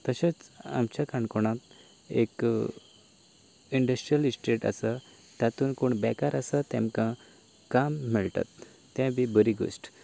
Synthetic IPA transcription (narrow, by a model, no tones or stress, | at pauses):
t̪əɕet͡sa̰mt͡ɕakaɳkɔɽ̃ãt̪ | ḛk | iɳɖəsʈɾijəlisʈɾeʈa̰sa | t̪jat̪uːnkoɳbɛkaɾasat̪ɛ̃mkã | kamːɛɭʈ̪a̰t̪ː | ɛ̃bʱibəɾiɡo̰sʈ